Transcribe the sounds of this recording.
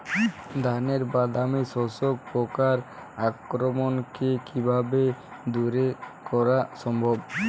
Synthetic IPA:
d̪ʱaneɾbad̪amisɔsok̚pɔkaɾakɾɔmɔnkekibʱabe | d̪uɾekɔɾasɔmbʱɔb

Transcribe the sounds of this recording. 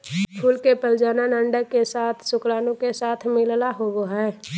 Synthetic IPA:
pʰʊlkepəld͡ʒaːnanəɳɖəkːesaːt̪ʰsʊklaːnõkesaːt̪ʰmɪllaɦoːɡoɦɛː

